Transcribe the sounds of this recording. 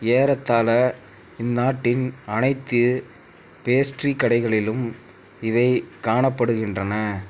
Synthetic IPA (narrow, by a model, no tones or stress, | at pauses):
eːɾɐt̪ːaːlɐ | ɪnːaːʈːɪnɐnɐɪt̪ːɯ | peːsʈrikːɐɽɐɪɣɐɭɪlɯm | ɪðɐɪkaːɳɐpːɐɽɯɣɪndrɐnɐ